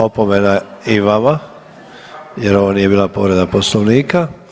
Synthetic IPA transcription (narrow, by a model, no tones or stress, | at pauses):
opomenaiʋama | jeɾoʋonije̞biːlapoːɾed̪aposloʋniːka